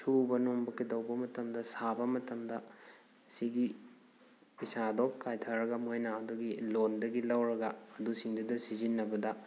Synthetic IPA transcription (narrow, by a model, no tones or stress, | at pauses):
sʰubɐnuŋbɐkidɐwbɐmɐtɐmdɐsabɐmɐtɐmdɐ | siɡi | pisadokkːajtʰɐɾɐɡɐmojnɐːduɡilondɐɡilɐwɾɐɡɐːdusiŋdudɐsizinːɐbɐdɐ